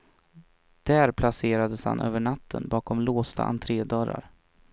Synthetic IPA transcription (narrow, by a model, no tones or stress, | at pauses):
d̪̥æːɾpʰlaseːɾad̪əsha̰nʔø̰ːvəɳat̪ʰːənbɑːkɔmloːst̪a̰ʔa̰nt̪ʰɾeːd̪œɾa̰ɾ